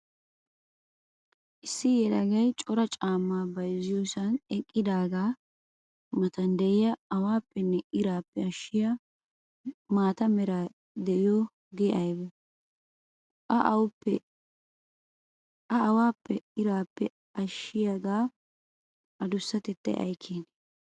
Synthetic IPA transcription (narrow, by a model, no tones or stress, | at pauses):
ʔɪsːɪjɛlɐɡɐjt͡ʃʼɔɾɐt͡ʃʼaːmːaːbɐjzɪjoːsɐnɛkʼːɪd̪aːɡaː | mɐt̪ɐnd̪ɛʔɪjɐːwaːpːɛnːɛɪɾaːpːɛɐʃɪjɐ | maːt̪ɐmɛɾa | d̪ɛʔɪjoː | ɡɛʔɐjbɔ | ʔɐʔɐwpːɛ | ʔɐɐwaːpːɛɪɾaːpːɛ | ɐʃːɪjaɡaː | ɐd̪ʊsːɐt̪ɛt̪ːɐ̰jʔɐ̰jkʰːeːn